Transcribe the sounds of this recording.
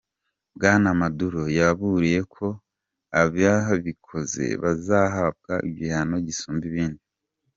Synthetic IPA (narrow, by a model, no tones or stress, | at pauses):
bɡaːnamaduɾo̞jaβuɾije̞kʰo̞ | aβjaɦaβikʰo̞ze̞̰βazaɦab̚ɡaḭβjihano̞ɟisuːmbiβiːndi